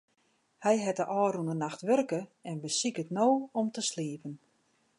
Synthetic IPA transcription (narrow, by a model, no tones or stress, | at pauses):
hɛjɦɛtəʔɔːɾunənaxtʋørkəɛnbəsikətnoːɔmtəsliəpən